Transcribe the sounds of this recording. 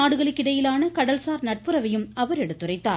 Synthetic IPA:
aːɽɯɣɐɭɯkːɪɽɐjɪlaːnɐkɐɽɐlsaːɾnɐʈ̚pɯɾɐʋɐjɯmɐʋɐɾɛɽɯt̪ːɯrɐɪt̪ːaːɾ

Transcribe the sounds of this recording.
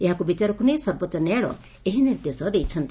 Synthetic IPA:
eɦakubit͡ʃaɾɔkunesɔɾbɔt̪ːt͡ʃɔnaɭɔ̰ | eɦiniɾd̪esɔd̪ejt͡ʃʰʌnt̪i

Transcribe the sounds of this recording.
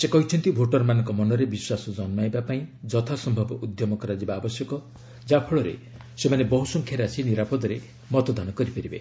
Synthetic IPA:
sekɔɦit͡ʃʰɔnt̪ibʱoʈɔɾmanɔ̃ŋkɔmɔnɔɾebiswasɔd͡ʒɔnmajbapaĩd͡ʒɔt̪ʰasɔmbʱɔbɔʔud̪jɔmɔkɔɾad͡ʒibaːbɔsjɔkɔ | d͡ʒapʰɔɭɔɾḛ | semanebɔɦusɔŋkʰjaɾasiniɾapɔd̪ɔɾe | mɔt̪ɔd̪anɔkɔɾipeɾibe

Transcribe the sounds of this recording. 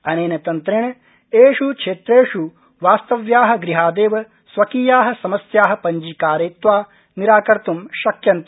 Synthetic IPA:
ɐneːnɐt̪ɐnt̪ɾiɳɐ | eːʃukʂeːt̪ɾeːʂu | ʋaːst̪ɐʋjaːɦɐ̆ɡɾiɦaːd̪eːʋɐ | sʋɐkiːjaːɦɐ̆sɐmɐsjaːɦɐ̆pɐɲd͡ʒiːkaːɾeːt̪ʋaː | niɾaːkɐɾt̪umʃɐkjɐnt̪ɐ

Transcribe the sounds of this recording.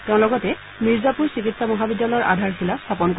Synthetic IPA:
teʊ̃lɔɡɔtɛ | miɹzapuɹsikitsamɔɦabidːalɔjɔɹʔadʱaɹxilast̪ʰapɔnko

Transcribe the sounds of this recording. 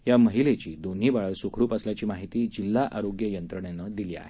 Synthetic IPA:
ɦjaməɦilet͡ɕiːd̪on̤iːbaɭəlsukʰɾuːpəsljat͡ɕiːmaɦit̪iːd͡ʑilːaʔaɾoɡjəjənt̪ɾəɳenəd̪iliːa̰ɦe

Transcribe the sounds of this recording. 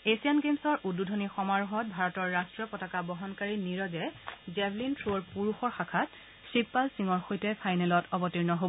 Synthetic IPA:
esianɡemsɔɹʔudːudʱonixɔmaɹuɦɔt̚bʱaɹɔtɔɹːastɹɔpɔtakabɔɦɔnkaɹiniɹɔzɛzɛbʱlintʰɹoɹpuɹuxɔɹxakʰat | sipːalsiŋɔɹxojtɛpʰajnɛlɔtɔbɔtiɹnɔɦob

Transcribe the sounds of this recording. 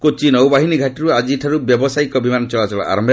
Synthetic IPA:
kot͡ʃinɔwbaɦiniɡʱaʈiɾuad͡ʒiʈʰaɾubjɔbɔsajkɔbimanɔt͡ʃɔɭat͡ʃɔla̰ʔa̰ɾɔmbʱ

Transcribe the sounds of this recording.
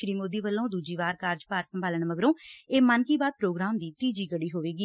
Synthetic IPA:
ʃɾiːmoːd̪iːbəlːõːd̪uːd͡ʒiːʋaːɾkaːɾd͡ʒpaːɾsəmbʱaːləɳməɡɾõːeːmənkiːbaːd̪̚pɾoːɡɾaːmd̪iːt̪iːd͡ʒiːɡəɽiːɦoːʋeːɡiː

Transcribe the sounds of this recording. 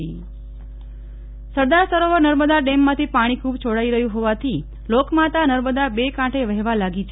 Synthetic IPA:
i | səɾd̪aɾsəɾoʋəɾnəɾməd̪aɖemːãt̪ʰipaɽ̃ikʰubt͡ʃʰoɽaiɾəɦjũɦoʋat̪ʰi | lokmat̪anəɾməd̪abekãʈʰeʋəɦʋalaɡit͡ʃʰ

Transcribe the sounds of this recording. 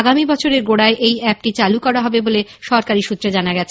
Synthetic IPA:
ɡamibɔt͡ɕʰoɾeɾɡoɽaeʔejɛp̚ʈit͡ɕalukɔɾaɦɔbeboleʃɔɾkaɾiʃut̪ːɾed͡ʑanaɡɛt͡ɕʰe

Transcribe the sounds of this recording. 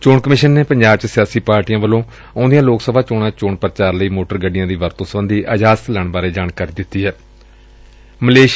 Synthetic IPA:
t͡ʃoːɳkəmɪʃənːeːpəɲd͡ʒaːb̚t͡ʃsɪjaːsiːpaːɾʈiːjãːʋəlõː | ɔ̃ːnd̪ijãːloːksəbʱaːt͡ʃoːɽãːt͡ʃoːɳpəɾt͡ʃaːɾləiːmoːʈəɾɡəɖɪjãːd̪iːʋəɾt̪õːsəbə̃nd̪iːʔəd͡ʒaːsət̪lɛːɳbaːɾeːd͡ʒaːɽkaːɾiːd̪ɪt̪ːiːɦɛː | məleːʃ

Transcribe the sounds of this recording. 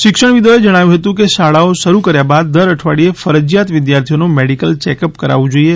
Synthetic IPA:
ʃɪkʃəɳ̃ʋid̪oed͡ʒəɽ̃aʋjũɦət̪ũkeʃaɭaoʃəɾukəɾjabad̪ːəɾəʈʰʋaɽiefəɾəd͡ʒjat̪ʋɪd̪jaɾt̪ʰijonũmeɖikəlt͡ʃɛkəpkəɾa̰ʋũd͡ʒoie

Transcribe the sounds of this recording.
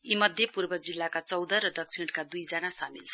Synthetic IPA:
imʌd̪ʱjepurbʌd͡zilːakat͡sʌwd̪ʌɾʌd̪ʌk̚sʰiɽkad̪ujd͡zʌnasamilt͡sʰʌ

